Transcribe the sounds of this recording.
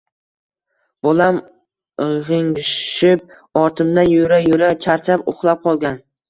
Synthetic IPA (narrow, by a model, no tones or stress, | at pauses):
b̥ɒlam | ʁɪŋɪp̚ | ɒɾt̪ʰɪmd̪anjoɾajʊɾat͡ʃʰaɾt͡ʃʰapo̰χlˠap̚qʰɒlˠɡʲan